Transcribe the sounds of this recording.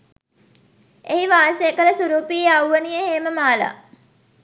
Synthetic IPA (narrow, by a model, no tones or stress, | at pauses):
eɦiʋaːsejəkələsuɾuːpieawʋənijəɦeːməmaːla̰